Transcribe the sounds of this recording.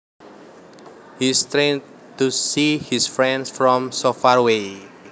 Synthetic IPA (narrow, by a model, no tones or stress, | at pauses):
hist̪ɾen | t̪usihisfɾɛ̃nsfɾɔ̃msofaɹwe